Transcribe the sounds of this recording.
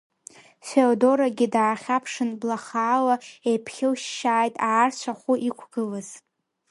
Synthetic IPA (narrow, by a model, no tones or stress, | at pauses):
feodo̞ɾaɡʲɪdaːχʲapʰʂɨnblaχaːlaejpʰχʲɪwʃːaːjtʼaːrt͡ɕʷʰaχʷuʔikʷʰɡ̥ɨlɨz̥